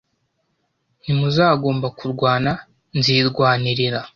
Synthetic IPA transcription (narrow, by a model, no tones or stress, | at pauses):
nimuzaːɡo̞ːmbakuɾɡwaːna | nziːɾɡwaːniɾiɾa